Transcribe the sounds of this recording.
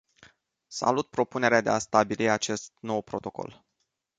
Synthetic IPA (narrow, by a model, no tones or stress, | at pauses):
sa̰lut̪̚pɾo̞pune̞ɾead̪east̪abiliat͡ʃe̞st̪no̞wpɾo̞t̪o̞ko̞̰l